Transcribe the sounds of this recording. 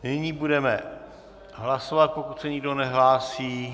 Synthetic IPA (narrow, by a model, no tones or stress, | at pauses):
nɪɲiːbudɛmɛ | ɦlasovat̪̚po̞kut̪sɛɲɪɡdonɛɦlaːsiː